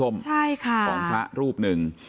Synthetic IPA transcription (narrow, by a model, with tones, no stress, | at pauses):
o˧mt͡ɕʰa˥˩jkʰa˥˩ɔ˥˧˩ŋpʰa̰˦˥ʔɾuː˥˩p̚nɯ˨˩ŋ